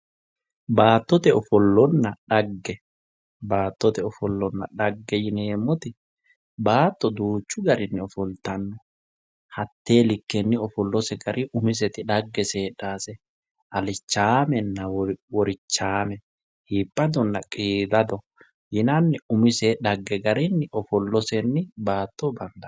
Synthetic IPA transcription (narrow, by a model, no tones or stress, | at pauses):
baːt̪ːɔt̪ɛɔfɔlːɔnːɐᶑɐɡːɛ | baːt̪ːɔt̪ɛɔfɔlːɔnːɐ̰ᶑɐɡːɛjɪneːmːɔt̪ɪ | baːt̪ːɔd̪uːt͡ʃːʊɡɐɾɪnːɪɔfɔlt̪ɐnːɔ | hɐt̪ːeːlɪkːɛnːɪɔfɔlːɔsɛɡɐɾʔɪʔʊmɪs̬ɛt̪ɪᶑɐɡːɛseːᶑaːsɛ | ʔɐlɪt͡ʃːaːmɛnːɐwɔɾɪt͡ʃːaːmɛ | hiːpʼːɐd̪ɔnːɐkʼiːd̪ɐd̪ɔ | jɪnɐnːɪʊmɪsɛᶑɐɡːɛɡɐɾɪnːɪʔɔfɔlːɔsɛnːɪbaːt̪ːɔbɐnd̪ɐ